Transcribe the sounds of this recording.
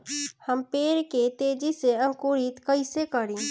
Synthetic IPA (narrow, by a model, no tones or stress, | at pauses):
həmpeɾket̪ed͡ʒiseə̃ŋkuɾit̪kəɪsekəɾĩ